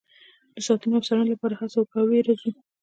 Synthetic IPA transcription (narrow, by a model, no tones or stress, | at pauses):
d̪̥əsɑt̪unoawsaɽənolapɑɾahasawkaweɾazu